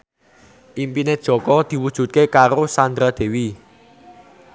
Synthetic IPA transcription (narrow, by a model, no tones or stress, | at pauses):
ʔimpined̥ʒ̥ɔ̤kɔd̪̥i̤wud̥ʒ̥ṳt̪̚kekaɾosand̪ɾad̪̥e̤wi